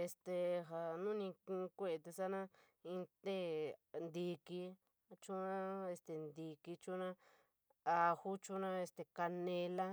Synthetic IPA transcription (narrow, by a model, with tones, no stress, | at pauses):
e˧st̪e˨ɦa˨nũ˦nĩ˧kĩ˧kʷe˦˧t̪e˧sa˦nã˦ | ĩ˧t̪e˦nd̪i˧ki˧ | t͡ʃũ˦nã˦e˧st̪e˨nd̪i˧ki˧t͡ʃũ˦nã˦ | a˧hu˦t͡ʃu˦nã˦e˧st̪e˨ka˧nẽ˧la˦